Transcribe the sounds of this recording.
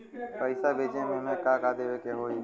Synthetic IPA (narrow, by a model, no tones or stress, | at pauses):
pəɪsaːbʱeːd͡ʒẽːmẽːmẽːkãːkaːd̪eːʋeːkeːɦoːiː